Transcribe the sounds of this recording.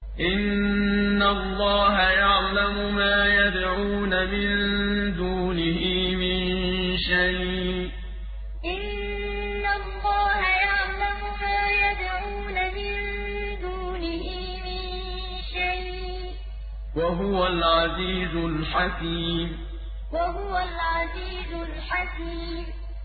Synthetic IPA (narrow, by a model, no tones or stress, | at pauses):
ʔɪnː | alˤːɑːɦajaʕlamʊmaːjad̪ʕuːnamɪnd̪uːnɪhɪmɪnʃajʔ | ʔɪnː | alˤːɑːhajaʕlamʊmaːjad̪ʕuːnamɪn | d̪uːnɪhɪ | mɪn | ʃajʔ | waɦʊwalʕɑziːzʊlħakiːm | waɦʊwalʕɑziːzʊlħakiː | m